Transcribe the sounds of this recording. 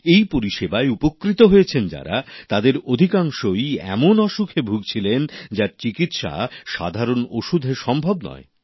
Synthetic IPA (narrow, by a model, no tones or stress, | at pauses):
ejpoɾiʃebaeupokːɾit̪oɦojet͡ɕʰend͡ʑa̰ɾat̪ad̪eɾod̪ʱikaŋʃojɛ̰monɔʃukʰebʱuɡ̚t͡ɕʰilend͡ʑaɾt͡ɕikit̪ʃa̰ʃa̰d̪ʱaɾonoʃud̪ʱeɾʃɔmbʱobnɔ̰e